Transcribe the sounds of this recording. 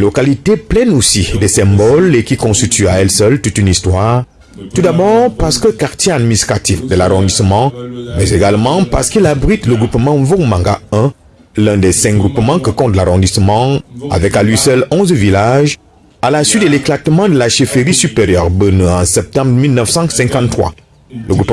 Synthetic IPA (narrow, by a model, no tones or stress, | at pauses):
lokalit̪eplɛnosid̪esɛ̃bɔlekʲikɔ̃st̪it̪yaɛlsœlt̪ut̪ynist̪waːʁ | t̪ud̪abɔʁpaʁsə̥kəkaʁt̪jead̪minist̪χat̪ifd̪əlaʁɔ̃d̪ismɑ̃mɛzeɡalmɑ̃paʁsə̥kilabʁit̪ləɡʁupmɑ̃vomãŋɡa̰ɛ̃ | lɛ̃d̪ɛsɛ̃ŋ̚ɡʁupmɑ̃kəkɔ̃t̪laʁɔ̃d̪isəmɑ̃a̰vɛkalɥisœlɔ̃zvilaʒ | alasɥit̪̚d̪əleklat̪mɑ̃d̪əlaʃifeʁisypeʁjœʁbənyɑ̃sɛp̚t̪ɑ̃bʁmilnəfsɑ̃sɛ̃ŋkɑ̃t̪t̪ːχwa̰ | ləɡʁup